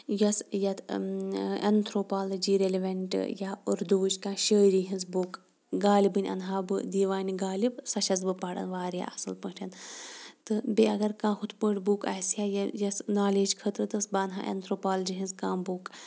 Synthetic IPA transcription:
jɐsjɐt̪ | ɐ̰nt̪ʰɾoːpaːlɐd͡ʒiːɾeliʋɐɳʈɨ̰jaːuɾd̪uːd͡ʒkãːʃəːɾiɦĩnzbuːk | ɡaːlibɨnʲɐ̰nɦaːbɨd̪iːʋaːnʲiɡaːlibsɐʃɐzbɨpaːɽɐ̰nʋaːɾja̰ːɐsɨlpəʈʲʰɐnt̪ɨbeɐɡɐɾkãːhut̪ʰpəːʈbuːkɐ̰ːsjaːjɐjɐsnaːleːd͡ʒkʰɐt̪ɾɨt̪ɨsbaːnɦaːʔḛnt̪ʰɾoːpaːld͡ʒiɦĩnzkãːbuːk

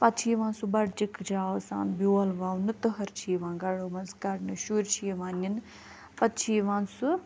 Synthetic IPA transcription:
pɐt̪t͡ʃʰiːʋãːnsubɐɽd͡ʒikʰd͡ʒaːsa̰ːnbjoːlʋaːwnɨt̪ɨɦɐɾt͡ʃʰiːʋãːɡɐɽoːmɐnskɐɽnɨʃuɾt͡ʃʰiːʋãːnin | pɐt̪̚t͡ʃʰiːʋãːnsu

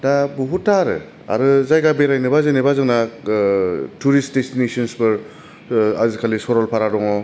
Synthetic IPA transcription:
dabuɦutaɾɯ̰ | a̰ɾɯzajɡabeɾajnɯbazɯnɯbazɯŋna | tuɾist̚destinisɔnsbɯɾ | azikʰalisɔɾɔlpʰaɾadɔŋɔ

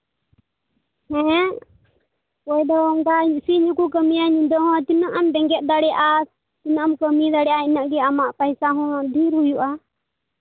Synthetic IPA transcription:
hɛ | kɔjd̪ɔmɡasiɲukukəmijaɲĩd̪ɔɦɔ̃t̪inaʔamd̪ɛ̃ŋɡɛt̪̚d̪aɽɛʔa | t̪inaamkəmid̪aɽɛjʔainaʔɡɛamaʔpajsaɦɔ̃dʱiɾɦujuʔa

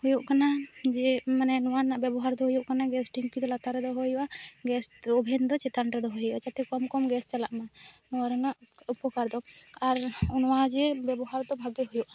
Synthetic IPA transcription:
hujuʔkanad͡ʒɛmanɛnɔwanaʔbɛbɔɦaɾd̪ɔɦujuʔkanaɡɛsʈiŋkid̪ɔlat̪aɾɛd̪ɔɦɔjɔwaɡɛsɔbʱɛnd̪ɔt͡ʃɛt̪anɾɛd̪ɔɦojat͡ʃat̪ɛkɔmkɔmɡɛst͡ʃalaʔmanɔwaɾɛnaʔupɔkaɾd̪ɔaɾunwad͡ʒɛbɛbɔɦaɾd̪ɔbʱaɡɛɦujuʔa

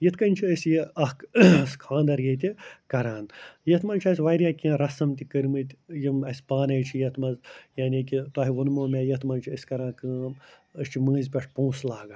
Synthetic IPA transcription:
jit̪ʰkɐnʲt͡ʃʰiəsʲjiɐhkskʰãːnd̪ɐɾjɐt̪̬ʲikɐɾaːnjɐt̪ʰmɐnʲt͡ʃʰɐsʲʋɐjɾʲjaːkʲĩːɾɐsɐmt̪ʲikəɾʲmɨt̪ʲjimɐsʲpaːnɐjt͡ʃʰijɐt̪ʰmɐzjaːnʲikʲit̪waːɦiʋɐnmoːmʲeːjɐt̪ʰmɐnʲt͡ʃʰiəsʲkɐɾãːnkɨːm | əst͡ʃʰimɨ̃ːzʲpʲɐʂʰpũːslaːɡa

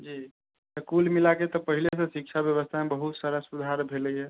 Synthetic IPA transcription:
d͡ʒiː | səkulmilaket̪ɔpəɦilesə̃sik̚t͡ʃʰabjəβəst̪ʰamebəɦut̪saɾəsud̪ʱaɾbʱelɛjɛ

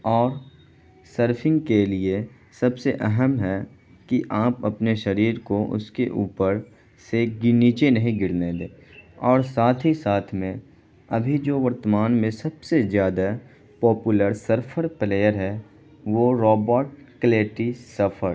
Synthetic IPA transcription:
ɔːɾ | səɾfʰɪ̃ŋɡkelie | sɐbseʔɛɦəmɦɛ | kiʔaːpɐpneʃɐɾiːɾkoʔʊ̰skeʔuːpəɾ | seɡɪniːt͡ʃenɐɦĩɡɪɽned̪eː | ɔːɾsaːt̪ʰɦisaːt̪ʰmẽ | ɐbʱid͡ʒoːʋəɾt̪əmaːnmẽsɐbsezjaːd̪a | pɔːpuləɾsəɾpʰəɾpleːjəɾɦɛ | ʋoɾɔːbəɾʈkleːʈisɐfʰəɾ

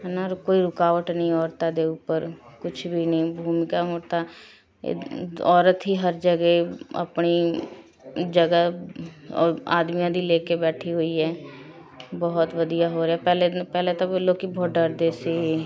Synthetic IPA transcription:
ɦnaɾkoːiɾʊkaːʋəʈnəĩɔːɾt̪ad̪eʊpəɾkʊt͡ʃʰbʱinəɦĩbʱuːmɪkaɦoːt̪a̰ | ɔːɾət̪ɦiɦəɾd͡ʒəɡeə̰pni | d͡ʒəɡə | ɔ̰ːɾa̰ːd̪mijãd̪ʱileːkebɛːʈʰiɦoiɦɛː | bəɦʊt̪ʋəd̪ijaɦoɾeapɛːlepɛːlet̪olokibɔːt̪̚ɖəɾd̪eːseɦe

